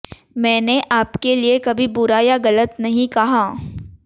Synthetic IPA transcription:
mɛ̃ːneʔaːpkeliekɐbʱibʊɾaːjaɣɐlət̪nɐɦĩkɐɦaː

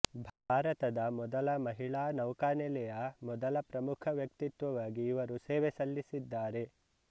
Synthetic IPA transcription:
bʱaːɾɐt̪ɐd̪ɐmɔd̪ɐlɐmɐɦiɭaːnɐwkaːnɛlɛjɐmɔd̪ɐlɐpɾɐmukʰɐʋjɐk̚t̪it̪ʋɐʋaːɡiːʋɐɾuseːʋesɐlːisid̪ːaːɾe̞

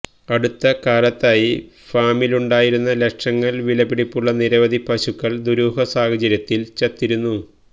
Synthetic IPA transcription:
ɐɽut̪ːɐkaːlɐt̪ːaːji | faːmiluɳɖaːjiɾunːɐleʂɐŋːɐɭʋilɐbiɽipːuɭːɐniɾɐʋɐd̪ʱipɐɕukːɐɭd̪uɾuːɦɐsaːhɐd͡ʑɐɾjɐt̪ːilt͡ɕɐt̪ːiɾunːu

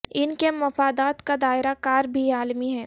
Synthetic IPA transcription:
ɪnkemɐfaːd̪aːt̪kad̪aːɪɾakaːɾbʱiaːlmiɦɛː

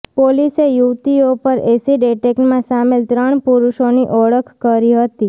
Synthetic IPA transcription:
polisejuʋt̪iopəɾesiɖeʈekʈmãsamelt̪ɾəɳ̃puɾuʃoniʔɔɭəkʰkəɾiɦət̪i

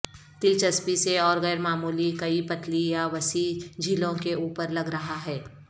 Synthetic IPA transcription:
t̪ɪlt͡ʃɐspiseɔːɾɣɛːɾmaːmuːlikɐipɐt̪lijaʋɐsid͡ʒʱiːlõkeuːpəɾlɐɡɾɐɦaɦɛː

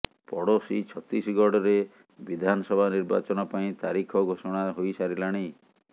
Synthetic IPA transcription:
pɔɽosit͡ʃʰɔt̪isɡʱɔɽɔɾe | bid̪ʱanɔsɔbʱaniɾba̰t͡ʃɔnɔpaĩt̪aɾikʰɔɡʱosɔɽ̃aɦojsaɾilaɽ̃i

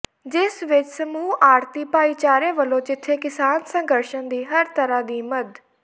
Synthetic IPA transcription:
d͡ʒɪsʋɪt͡ʃsəmuːʔaːɾt̪iːpaːiːt͡ʃaːɾẽːʋəlːõːd͡ʒɪt̪ʰːeːkɪsaːnsə̃ŋɡəɾʃənd̪iːɦəɾt̪əɾaːd̪iːməd̪

